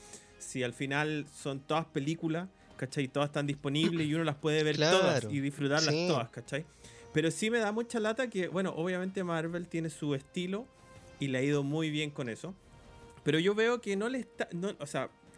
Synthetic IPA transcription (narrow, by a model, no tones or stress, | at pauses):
sialfinalso̞nt̪o̞ðaspe̞likulas | kat͡ʃajt̪oðast̪and̪ispo̞niβlesiuno̞laspwe̞ðeβe̞ɾt̪oðasiðifɾut̪aɾlast̪oðaskat͡ʃaj | pe̞ɾo̞sime̞ðamut͡ʃalat̪akebweno̞̰ʔoβjame̞nt̪emaɾβe̞lt̪je̞nesue̞st̪ilo̞ | ileaið̞o̞mujβje̞ŋko̞ne̞so̞ | pe̞ɾo̞ʝo̞βe̞okeno̞lest̪anoʔosea